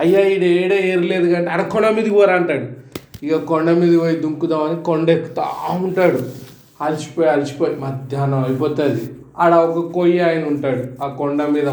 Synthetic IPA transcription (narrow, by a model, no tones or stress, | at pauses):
ɐjːaːiɽeːɽeːeːɾileːd̪uɡaːɳʈeɐɽɐkɔɳɖɐmiːd̪iʋaːɾaːɳʈaːɽuikakɔɳɖɐmiːd̪iʋɐjid̪uŋkud̪aːmɐnikoɳɖekːu̥t̪a̰uɳʈaːɽu | ɐlit͡ʃi̥poːjɐlit͡ʃi̥poːjimɐd̪ʱjaːnɐɐjipɔːt̪ad̪i | ɐɽaɔkɐkoːjiaːjɐnɐuɳʈaːɽuaːkɔɳɖɐmiːd̪ɐ